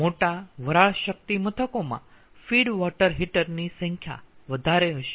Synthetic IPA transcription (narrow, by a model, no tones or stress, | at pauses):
moʈaʋəɾaɭʃək̚t̪imət̪ʰəkomã̰ | fiɽʋɔʈəɾɦiʈəɾnisə̃ŋkʰja̰ʋəd̪ʱaɾeɦəʃe̥